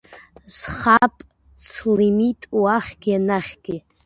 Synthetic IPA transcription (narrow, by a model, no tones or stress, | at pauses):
z̥χapʼ | slimitʼwaχʲɡʲianaχʲɡʲɪ